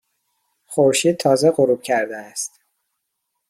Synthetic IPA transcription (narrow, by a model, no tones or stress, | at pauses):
xoɾʃiːd̪̚t̪ʰɒːzeɢoɾuːb̚cʰæɾd̪eæst̪